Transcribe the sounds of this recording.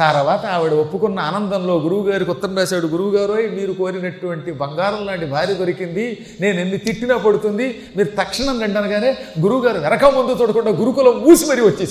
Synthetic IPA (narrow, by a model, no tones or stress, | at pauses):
t̪ɐɾɐʋaːt̪ɐɐʋiɽɐopːukunːɐːnɐnd̪ɐmlo̞ːɡuɾuʋuɡaːɾikɔt̪ːɐmɾaːsaːɽuɡuɾuwuɡaːɾuɐjmiːɾuko̞ːɾinɐʈuʋɐɳʈibɐŋɡaːɾɐmlaːɳʈibʱaːɾjɐd̪oɾikind̪i | ne̞ːnenːit̪iʈːinɐːpɐɽut̪und̪i | miːɾut̪ɐkʂɐɳɐmkɐɳʈaːnɐɡaːne̞ːɡuɾuwuɡaːɾuʋɛɾɐkɐmʋɐnd̪ut̪uːɽɐkuɳɖaːɡuɾukulɐmːuːsimɐɾiʋɐt͡ʃːeːs